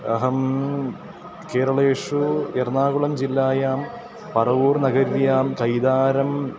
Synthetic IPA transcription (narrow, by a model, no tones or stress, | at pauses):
ɐ̰ɦɐm | keːɾɐɭeːʂuernaːɣuɭɐmd͡ʑilːaːjaːm | pɐrɐʋuːrnɐɣɐɾjaːmkɐjd̪aːɾɐm